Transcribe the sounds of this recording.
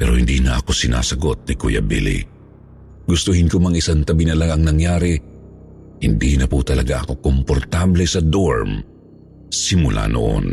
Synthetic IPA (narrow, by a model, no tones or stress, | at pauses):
pɛ̰ɾohɪnd̪inɐʔɐko̞sɪna̰ːsɐɡo̞t̪̚nɪkṵjɐ̰bḭlḭ | ɡʊst̪ʊhɪnkomɐŋɪsant̪ɐbinɐlaŋɐŋnɐŋjaːɾɪ | hɪnd̪inɐput̪ɐlɐɡaʔɐko̞kompoɾt̪ablɛsɐd̪oɹm | sɪmʊlʔa̰no̰ʔo̰n